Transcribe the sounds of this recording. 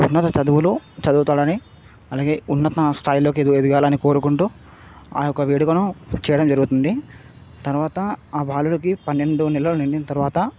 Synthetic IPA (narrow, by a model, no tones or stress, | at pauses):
unːɐt̪ɐt͡ʃɐd̪uʋulut͡ʃɐd̪uːt̪aːɽɐni | ɐlaːɡeːunːɐt̪ɐst̪ʰaːjlo̞ːk̬ied̪ued̪uɡaːlɐniko̞ːɾukuɳʈuː | a̰ːjɔkːɐʋeːɽukɐnut͡ʃɛːjɐɽɐmd͡ʒɐɾuɡut̪und̪i | t̪ɐɾuʋaːt̪ɐaːbʱaːlulɐkipɐnːe̞ɳɖunɛlːɐluniɳɖinɐt̪ɐɾuʋaːt̪ɐ